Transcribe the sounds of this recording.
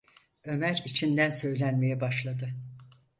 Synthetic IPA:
ø̞mæɾit͡ʃʰind̪ænsø̞jlʲænme̞jɛbaʃlˠad̪ɯ

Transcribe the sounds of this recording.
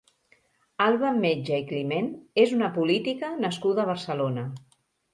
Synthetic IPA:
alˠβəmed͡ʒəiklimenezunəpulit̪ikənəskuðəːβ̞əɾsəlonə

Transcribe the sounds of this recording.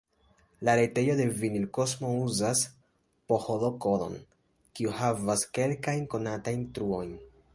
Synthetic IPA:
laɾete̞jo̞de̞vinilko̞smo̞uzas | po̞holo̞ko̞do̞̰n | kiuhavaske̞lkajnko̞natajntɾuo̞jn

